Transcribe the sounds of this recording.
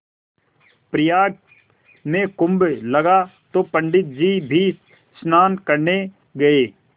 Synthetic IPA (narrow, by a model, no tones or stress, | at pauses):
pɾɪjaːʈ | mẽkʊ̃mblɐɡat̪oːpə̃ɳɖɪt̪̚d͡ʒiːbʱiː | snaːnkɐɾne | ɡɐeː